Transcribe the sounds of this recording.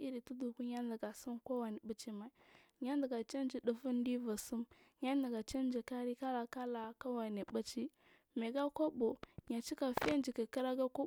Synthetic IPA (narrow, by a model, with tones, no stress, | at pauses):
i˦ɾi˨tu˦du˨ku˦ɲa˦ndə˨ɡa˨su˦mkʷo˦wa˨ni˨ba˦t͡ʃi˦ma˨i˨ | ɲa˦ndə˨ɡa˨t͡ʃa˦n˦d͡ʒi˨du˨fu˦n˦di˦va˨su˦m | ɲa˦n˦da˨ɡa˨t͡ʃa˦n˦d͡ʒi˨ka˦ɾi˦ka˦la˨ka˦la˨ka˦wa˨ni˨ba˦t͡ʃi˦ | me˨ɡa˦ko˦bo˨ɲa˨t͡ʃi˦ka˨fe˦nd͡ʒi˨ka˨ki˦ɾa˦ɡa˦ko˦